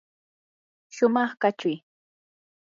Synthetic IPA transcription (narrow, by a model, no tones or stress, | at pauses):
ʃʊmɑχkat͡ʃʊj